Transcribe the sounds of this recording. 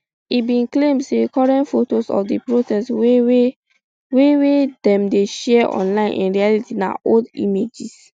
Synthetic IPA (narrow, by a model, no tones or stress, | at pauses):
ibĩnklẽmdsekɔɹɛ̃ntfotosɔ̰fdipɹotɛs | wewedɛ̃mdeʃɛʔɔ̰̃nlãɪ̃nʔḭ̃nɹialitina̰ʔodḭmed͡ʒis